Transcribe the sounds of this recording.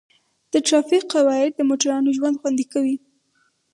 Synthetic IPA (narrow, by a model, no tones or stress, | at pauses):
d̪̥əʈɾɑfiqːawɑɪd̪̚d̪əmoʈaɾɑnoʒwand̪xwand̪ikawi